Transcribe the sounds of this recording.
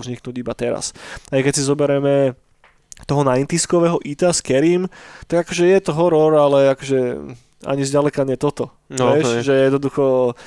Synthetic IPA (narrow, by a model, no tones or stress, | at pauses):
zɲiknuːɟibat̪ɛɾa̰sajkɛcsizɔbɛɾɛmɛ | t̪ɔɦɔnaint̪iskɔʋɛːɦɔʔit̪askɛɾiːmt̪aɡakɔʒɛjɛt̪ɔɦɔɾɔɾalɛakɔʒɛ | a̰ɲizɟalɛkaɲɛt̪ɔt̪ɔ | ʋɛʒɛjɛd̪nɔd̪uxɔ